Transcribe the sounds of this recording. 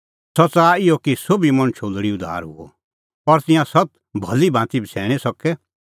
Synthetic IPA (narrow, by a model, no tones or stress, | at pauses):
sɐt͡saːɪjokisobimɐ̃nt͡ʃʰoːlɽiʊd̪ʱa̰ːɾɦʊ̰ɔ̰ | ɔɾt̪ɪ̃jãsɐt̪̚ | bʱɐlibãːt̪ibʱsʰɛːɽ̃isɐkɛ